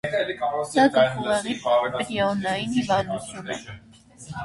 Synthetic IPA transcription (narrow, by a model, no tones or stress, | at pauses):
sɑɡəχuʁɛʁipɾiɔnɑjinhivɑnd̪ut͡sʰjunɛ̰